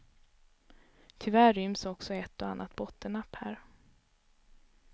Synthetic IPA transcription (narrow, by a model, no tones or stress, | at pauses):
t̪ʰʏvæːʏmsɔksɔɛt̪ːɔanːʔat̪̚bɔt̪ːəɳapːhæ̰ːɾ